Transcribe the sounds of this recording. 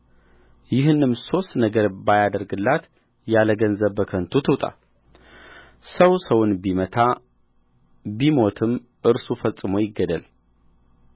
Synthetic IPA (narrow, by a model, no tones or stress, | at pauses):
jɪɦɨnːɨmso̞st̪nəɡəɾbajad̪əɾɡɨlːat̪ | jaləɡənzəβbəkʰənt̪ʰut̪ʰɨwt̪ʼa̰ | səwsəwʊnbimət̪ʰa | bimo̞t̪ʰɨm | ʔɨɾsufəsʼɨmo̞jɪɡːəd̪əl